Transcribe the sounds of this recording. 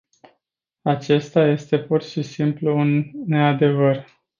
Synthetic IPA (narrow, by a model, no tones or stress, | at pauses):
at͡ʃe̞st̪aje̞st̪e̞put̪ʃisimpluunːe̞ad̪e̞vər